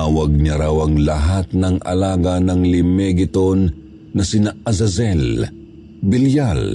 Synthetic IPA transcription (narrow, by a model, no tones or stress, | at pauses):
awɐɡ̚ɲaɾawɐŋlɐɦat̪̚nɐŋɐ̰laːɡɐnɐŋlɪmɛɡɪt̪onː | ɐsɪnaʔɐzɐzɛl | bɪljal